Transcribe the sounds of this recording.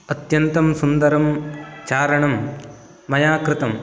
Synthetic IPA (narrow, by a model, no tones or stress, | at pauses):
ɐt̪jɐnt̪ɐmsund̪ɐɾɐmt͡ʃaːɾɐɳɐmː | ɐjaːkɾɪt̪ɐm